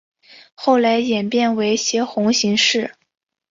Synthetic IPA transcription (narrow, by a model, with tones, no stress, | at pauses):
xo˥˩ʊla˧˥ɪjɛ˨˩npjɛ˥˩nwe˧˥ɪɕjɛ˧˥xʊ˧˥ŋɕi˧˥ŋʂɻ̩˥˩